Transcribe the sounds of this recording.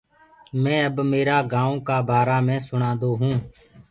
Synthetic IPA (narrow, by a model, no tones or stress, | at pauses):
mɛ̃ːəbmeːɾaːɡãːõːkaːbʱaːɾaːmɛ̃ːsʊɳãːnd̪oːɦũː